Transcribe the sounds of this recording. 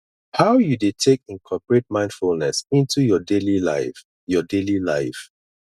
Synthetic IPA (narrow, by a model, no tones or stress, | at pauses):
hawjudetʰek̚ĩnkʰɔpəɹet̚mãɪ̃ndfulnɛsĩntʰujɔdelila̰ɪf | jɔdelilaɪf